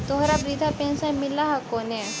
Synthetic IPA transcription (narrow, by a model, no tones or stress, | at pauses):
t̪oɦɾabɾid̪ʱapẽːnsãmɪlaɦakoːne